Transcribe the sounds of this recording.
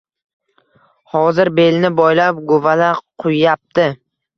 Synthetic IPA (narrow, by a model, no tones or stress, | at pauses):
hɒzɪɾbe̞lnɪbɔjlap̚ɡovalaqʰʊjːap̚t̪ɪ